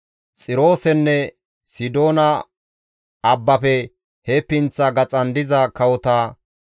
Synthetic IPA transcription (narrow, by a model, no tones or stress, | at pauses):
t͡sʼɪɾo̞ːsɛnːɛ | sɪd̪o̞ːnɐ | ɐbːɐpɛ | hɛpːɪnt͡sːɐɡɐt͡sʼɐnd̪ɪzɐkɐwɔt̪aː